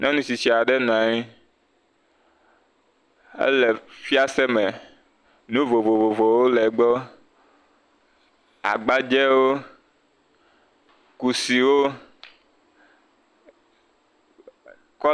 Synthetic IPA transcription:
nʔɔ̃˦nũ˦si˨si˨a˨ɖɛ˦nũ˨ã˨ɲĩ˦ | ḛ˦lɛ˨fi˦a˦sɛ˦mɛ˨ | nũ˦vo˨vo˨vo˨vo˨wo˦lɛ˨ɡ͡bɔ˦ | a̰˨ɡ͡ba˦d͡ʒɛ˦wo˦ | ku˨si˨wo˦ | kɔ˦

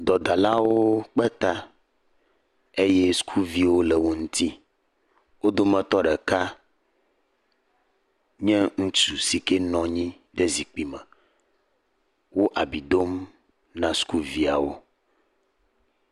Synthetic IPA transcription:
d̪ɔ˨d̪a˨la˦wo˦k͡pɛ˦t̪a˦ | e˦jɛ˦su̥˦kʰu˦vi˦wo˦lɛ˨wo˨ŋũ˦t̪i˦ | wo˦d̪o˦mɛ̃˨t̪ɔ˦ɖɛ˨ka˦ | ɲɛ̃˦ŋũ˦t͡ʃu˨si˨ke˦nɔ̃˨ɲĩ˦ | ɖe˦zi˨k͡pi˦mɛ̃˨ | wo˦ʔa˨bi˨d̪o˦m | nã˨su̥˦ku˦vi˦a̰˨wo̰˦

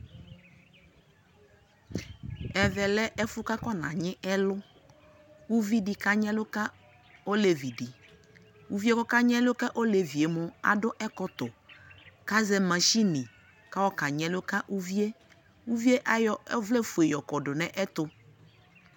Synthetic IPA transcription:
ɛ˨vɛ˨lɛ˦ʔɛ˦fʊ˦ka˦kɔ˦nã̰˨ɲɪ̃˦ʔɛ˦lʊ˦ | u˦vi˦di˨ka˨ɲɛ̃˦lʊ˦ka˦ | o˦le˨vi˨di˨ | u˨vi˦e˦kɔ˦ka˦ɲɛ̃˦lʊ˦ka˦ʔo˦le˨vi˨e˨mʊ˦a̰˨dʊ˦ʔɛ˦kɔ˨t̪ʊ˨ | ka˦zɛ˦mã˨ʃi˦nɪ̃˨ | ka˦wɔ˦ka˨ɲɛ̃˨lʊ˦ka˦ʔu˦vi˦e˦ | u˦vi˦e˦ʔa˦jɔ˦vlɛ˦fu˨e˨jɔ˨kɔ˨dʊ˨nɛ̃˨ʔɛ˦t̪ʊ˦

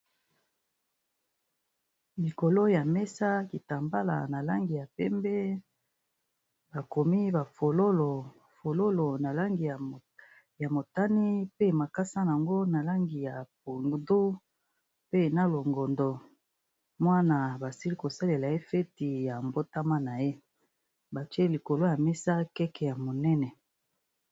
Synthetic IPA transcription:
li˨ko˨lo˦ja˨mɛ˦sa˦ki˨ta˨mba˦la̰˨na˨la˦ŋɡi˨ja˨pɛ˦mbɛ˦ | ba˨ko˨mi˦ba˨fo˨lo˦lo˨ | fo˨lo˦lo˨na˨la˦ŋɡi˨ | ja˨mo˨ta˦ni˦pe˦ma˨ka˦sa˦n˨a˨ŋɡo˦na˨la˦ŋɡi˨ja˨p̚u˨ŋ˨du˦ | pe˦na˦lo˨ŋɡɔ˨ndɔ˨ | mwa˦na˨ba˨si˦li˦ko˨sa˦le˨la˨e˦fɛ˦ti˨ja˨mbo˦ta˦ma˦na˨je˦ | ba˨tɥe˦li˨ko˨lo˦ja˨mɛ˦sa˦kɛ˦kɛ˨ja˨mo˨nɛ˦nɛ˨

